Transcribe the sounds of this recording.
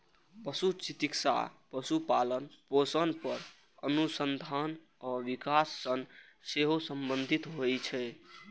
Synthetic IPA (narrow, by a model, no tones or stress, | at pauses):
pəsut͡ʃit̪iksa̰pəsupalənposənpəɾ | ənusənd̪ʱan | ɔʋikasːən | seɦosəmbənd̪ʱit̪ɦojt͡ʃʰɛ